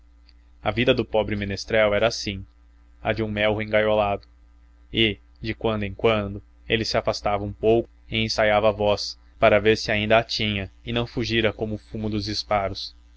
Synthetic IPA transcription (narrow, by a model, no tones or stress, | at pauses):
ɐ̰vid̪ɐd̪ʊpɔbɾɪmẽnest̪ɾɛwɛɾɐːsĩ | ɐ̰d͡ʒɪũmɛwɦẽɡajolad̪ʊ | ɪ | d͡ʒɪkwɐ̃nd̪ʊẽkwɐ̃nd̪ʊ | elɪsɪafast̪avɐũpowkʊ̥ɪẽsajavɐavɔs | paɾɐveɾsɪaĩnd̪ɐːt͡ʃĩɲɐɪnɐ̃w̃fuʒiɾɐkõmʊfumʊd̪ʊzd͡ʒispaɾʊs